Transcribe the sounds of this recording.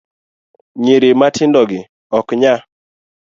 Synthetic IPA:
ɲiɾematʰɪndɔɡɪ | ɔkɲa

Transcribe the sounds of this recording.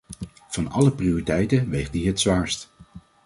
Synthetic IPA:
v̥ɑnɑ̰ləprioritɛjtəʋejχdiɦətsʋaːɹst

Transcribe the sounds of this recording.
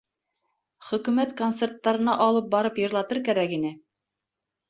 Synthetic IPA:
χɵ̆kʉ̆mæt̪kont̪sert̪ːɑɾɤ̆nɑʔɑlˠɤp̚bɒɾɤpjŏɾlˠɑt̪ɤɾkæɾækinɘ

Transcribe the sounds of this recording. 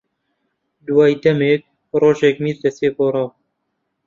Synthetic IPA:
d̪uwɑːjd̪ɛmeːk̚ | roːʒekmiːɾd̪ɛseːpoːɾɑː

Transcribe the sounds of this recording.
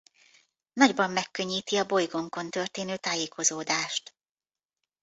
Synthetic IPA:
nɒɟbɒmːɛkːø̞ɲːiːt̪iɒbo̞jɡo̞ŋko̞nt̪ø̞rt̪eːnøːt̪aːjeːkʰo̞zoːd̪aːʃt̪

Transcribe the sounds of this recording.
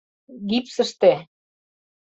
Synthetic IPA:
ɣipsə̆ʃt̪e

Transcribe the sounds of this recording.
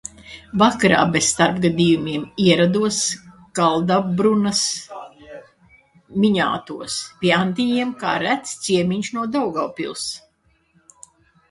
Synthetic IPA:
vakɾa̰ːbesst̪aɾpɡad̪ijumʲiɛmiɛɾad̪uɔs | ɡ̥alˠd̪abɾunɐs | mʲiɲa̰ːt̪uɔspʲiɛant̪ijiɛmka̰ːɾæt̪st̪siɛmʲiɲʃnuɔd̪ɔwɡawpʲḭlˠs

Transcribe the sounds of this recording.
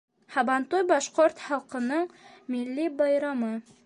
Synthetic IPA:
hɑbɑnt̪ujbɑʃqoɾt̪χɑlˠqɤ̆nɤɴmilːibɑjɾɑmɤ

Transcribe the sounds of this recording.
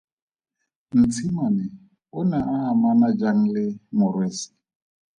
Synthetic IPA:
n̩t͡sʰimɔnɛ | ʊnaʔaamanad͡ʒaŋ̩lɪmʊɾwesɪ̥

